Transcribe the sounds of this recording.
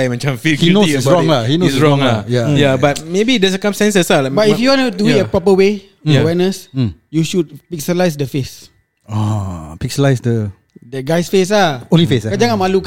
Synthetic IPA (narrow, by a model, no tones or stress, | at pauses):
jmãt͡ʃãmfihinossɹɔ̃ŋlahinosɹɔ̃ŋajajabat̚mebidɛsəkãmsɛ̃nsəsalabaifjuwanuduĩəpɹɔpəwe | əwɛnəs̩juʃud̚pik̚səlajs̬dəfes | ɔpik̚səlajsdə | dɛɡajsfes̬laõnlifeskad͡ʒaŋãnmaluk